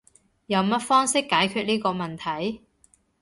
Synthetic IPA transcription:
jɐ˨˧wmɐ˥t̚fɔː˥ŋsɪ˥kːaː˨˥jkʰyː˧t̚niː˥kɔː˧mɐ˨˩nt̪ʰɐ˨˥j

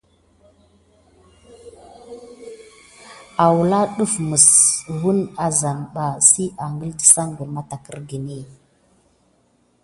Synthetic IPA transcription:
a˨wu˨la˦ɗu˦fmə˨swu˦na˨za˨nɓa˨si˦ʔa˨ŋɡə˦ldə˨sa˦ŋɡə˨lma˦ta˨kə̰˦ɾɡi˨ni˦˨

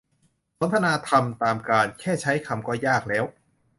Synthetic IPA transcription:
so˦˥nt̪ʰa˧naː˧t̪ʰa˧mt̪aː˨˧mkaː˧nkʰɛː˥˩t͡ɕʰa˦˥jkʰa˧mkɔː˥˩jaː˥˩k̚lɛː˦˥w

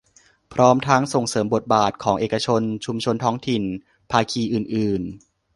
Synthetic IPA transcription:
pʰɾɔː˦˥mt̪ʰa˦˥ŋso˨˩ŋsɤː˩˦mbo˨˩t̪̚baː˨˩t̪̚kʰɔː˩˦ŋʔeː˨˩ka˧t͡ɕʰo˧nt͡ɕʰu˧mt͡ɕʰo˧nt̪ʰɔː˦˥ŋt̪ʰi˨˩n | pʰaː˧kʰiː˧ʔɯː˨˩nʔɯː˨˩n

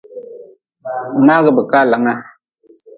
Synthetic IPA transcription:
ma˦ɣə˨bə˨ka˦˨la˨˦ŋa˦

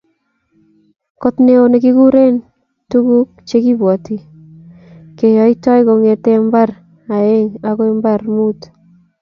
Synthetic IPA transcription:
ko˦tne˦o˨ne˨ki˦ku˦ɾe˦n | tu˦ku˦k̚t͡ʃe˦ki˦bwɔ˨ti˨ | ke˨jɔ˨i˦tɔ˦jko˨ŋe˨tɛ˦mba˦r | a˨e˦ŋa˦ko˦e˦mba˦rmu˦t

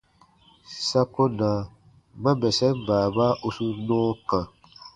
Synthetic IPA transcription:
sa˦ko˦na˨ | mã˦bɛ˨sɛ˦m˦˨baː˨ba˦ʔu˦su˧nɔ̃ː˦kã˨

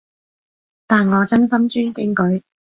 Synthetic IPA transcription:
t̪aː˨nŋɔː˨˧t͡sɐ˥nfɐ˥nt͡ʃyː˥nkɪ˨˥ŋkɵ˨˥ɥ

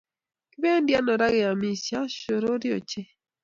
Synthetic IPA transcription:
kɪ˦be˦ndja˦nɔ˨ɾa˦ɡɛ˨a˨mi˨sja˦ʃo˨ɾo˦ɾɪ˦o̰˨t͡ʃe˦

